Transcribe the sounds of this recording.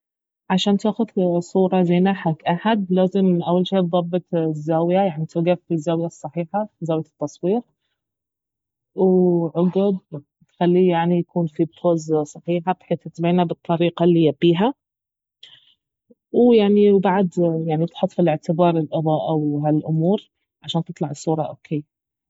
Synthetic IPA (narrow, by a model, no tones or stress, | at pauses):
ʕaʃaːnt̪aːxʊðsˤuːɾˤɑzajnaħakʔaħad̪laːzɪmʔawːalʃeːb̪ðˤɑbːɨt̪ˤzːaːwjajaʕnit̪ʰʊɡaffizːaːwjasˤːɑħiːħazaːwjat̪ːɑsˤwiːɾ | wʕʊɡʊd̪ | t̪xalːiːjaʕnijakuːnfipʰoːzsˤɑħiːħabħeːθɪt̪beːnabɨt̪ˤːɑɾiːqɑlːiːjabːiːɦa | wjaʕniwbaʕd̪jaʕnibɪt̪ħʊt̪ˤːfilɪʕt̪ɪbɑːɾˤɪlʔɨðˤɑːʔawɦalʔʊmuːɾ | ʕaʃaːnt̪ɪt̪ˤlɑʕɪsˤːuːɾˤɑʔo̰ːkʰeː